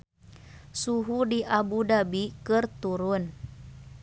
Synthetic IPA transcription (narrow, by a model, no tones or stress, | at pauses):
suɦudiʔabudabikɨrt̪uɾun